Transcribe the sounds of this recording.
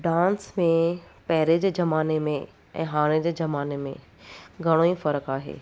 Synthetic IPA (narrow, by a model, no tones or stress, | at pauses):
ɖãːnsmẽpɐɦɪɾed͡ʑeːd͡ʑɐmaːnemẽ | ɛ̰̃ːɦaːɽ̃ed͡ʑeːd͡ʑɐmaːnemḛ̃ | ɡʱɐɽ̃oːĩfɐɾəkaːɦḛː